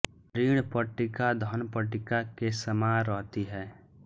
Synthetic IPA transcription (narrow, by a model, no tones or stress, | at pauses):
ɾiːɽ̃pəʈɪkad̪ʱɔnpəʈɪkakesəmaːɾɔɦt̪iɦɛː